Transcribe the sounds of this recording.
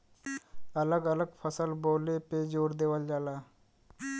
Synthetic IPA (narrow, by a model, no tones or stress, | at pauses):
ɐləɡələɡpʰəsəlboːleped͡ʒoːɾd̪eːʋəld͡ʒaːlaː